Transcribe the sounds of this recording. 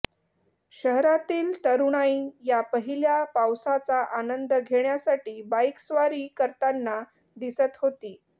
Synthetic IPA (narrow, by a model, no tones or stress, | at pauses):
ɕəɦɾat̪iːlt̪əɾuɽ̃aijapəɦiljapawsat͡saʔanənd̪əɡʱeɳjasaʈiːbajksʋaɾiːkəɾt̪anːa | d̪isət̪ɦot̪iː